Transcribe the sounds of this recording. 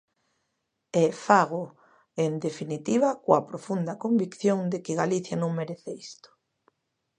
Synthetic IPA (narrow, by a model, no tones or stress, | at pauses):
ɛfaɣo | end̪efinit̪iβakoapɾofund̪ɐkombikθjoŋd̪ekɪɣaliθjanõŋmeɾeθeist̪o̥